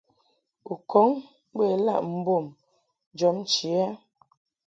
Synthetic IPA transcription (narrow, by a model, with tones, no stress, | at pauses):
u˨kʰɔ˨˦ŋ | be˦˨la̰˦˨ʔm̩˦bo˦˨m | d͡ʒɔ˨˦m˦t͡ʃi˨a˦